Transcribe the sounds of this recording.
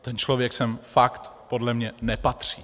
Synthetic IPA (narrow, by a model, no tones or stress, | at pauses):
t̪ɛnt͡ʃlo̞vjɛksɛmfakt̪po̞dlɛmɲɛnɛpat̪r̝̥iː